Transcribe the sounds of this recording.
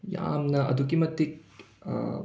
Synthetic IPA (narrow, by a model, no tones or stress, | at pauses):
ja̰ːmnɐɐ̰d̪ʱuk̬imɐt̪ːik̚